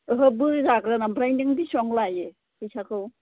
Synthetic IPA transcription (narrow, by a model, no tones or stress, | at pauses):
ɦɯbɯzaɡɾanabɾajndiŋdisɔŋlaje | hɯjsakʰɯw